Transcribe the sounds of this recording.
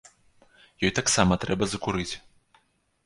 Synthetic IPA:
jɔjt̪aksamɐt̪ɾɛbɐzɐkuɾɨt͡sʲ

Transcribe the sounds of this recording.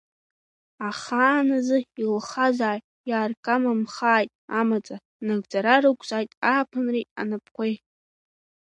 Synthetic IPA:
aχaːnazɨilχazaːj | jaːrkʼamamχaːjtʼamat͡sʼa | naɡd͡zaɾarɨkʷʰʼzʼaːjtʼaːpʰɨnritʼa̰napʰqʷej

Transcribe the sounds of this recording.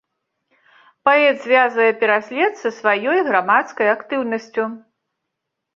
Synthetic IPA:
paɛt̪zʲvʲazvɐjɛpʲɛɾasʲlʲɛt̪sɐsvajɔjɣɾamat̪skɐjakt̪ɨwnɐsʲt͡sʲu

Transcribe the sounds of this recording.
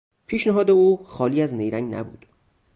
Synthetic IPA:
pʰiːʃneɦɒːd̪euːxɒːliːæznejɾæ̰ŋɡnæ̰bṵːd̪̥

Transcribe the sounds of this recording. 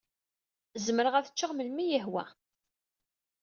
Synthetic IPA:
zməɾəʁæθət͡ʃːəʁməlmijəhwæ̰

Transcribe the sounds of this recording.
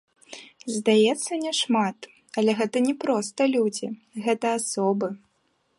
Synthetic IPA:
zd̪ajɛt̪sːɐnʲɛʂmat̪ | ɐlʲɛɣɛt̪ɐnʲɛpɾɔst̪ɐlʲud͡zʲḭɣɛt̪ɐasɔbɨ

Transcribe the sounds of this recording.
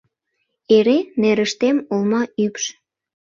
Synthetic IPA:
eɾeneɾəʃt̪emolmɑypʃ

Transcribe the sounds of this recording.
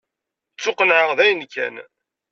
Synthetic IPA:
t͡sːʊqənʕəʁðæjənkːæ̰n

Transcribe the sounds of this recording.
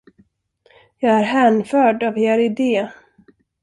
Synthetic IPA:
jɑːɡæɾɦɛːnfœːɖaveːɾɪd̪eː

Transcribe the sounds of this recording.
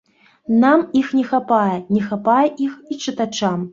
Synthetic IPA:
namixnʲɛxapajɛnʲɛxapajɛʔixit͡ʂɨt̪at͡ʂam

